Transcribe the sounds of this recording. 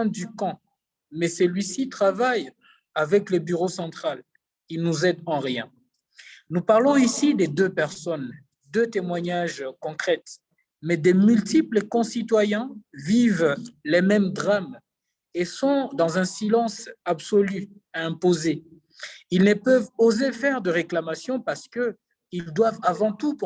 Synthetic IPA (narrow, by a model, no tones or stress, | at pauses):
ɛ̃d̪ykɑ̃ | mɛsəlɥisit̪χavaj | avɛklebyʁosɑ̃t̪χal | ilnuzɛd̪ɑ̃ʁjɛ̃ | nupaʁlɔ̃isid̪ɛd̪øpɛʁsɔn | d̪øt̪emwaɲaʒkɔ̃kχɛt̪ | mɛd̪ɛmylt̪ipləkɔ̃sit̪wajɛ̃vivlɛmɛmd̪ʁam | esɔ̃d̪ɑ̃zɛ̃silɑ̃sabsɔly | ɛ̃poze | ilnəpœvozefɛʁd̪əʁeklamasjɔ̃paʁsə̥kə | ild̪wavavɑ̃t̪up